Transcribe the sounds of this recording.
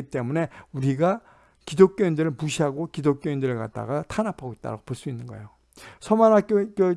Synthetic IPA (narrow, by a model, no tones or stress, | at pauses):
it͈e̞mune̞uɾiɡa | kidok͈joindɯɾɯɭmuɕʰiɦaɡokidok͈joindɯɾɯɭka̰t̚t͈a̰ɡatʰanapʰaɡoit̚t͈a̰ɾa̰ɡopoɭs͈uinːɯnɡʌḛo | sʰʌmanak͈ok͈jo